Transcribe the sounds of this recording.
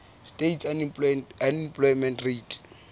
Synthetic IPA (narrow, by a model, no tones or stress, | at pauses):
stetsanipanimplɔjmɛ̃ntret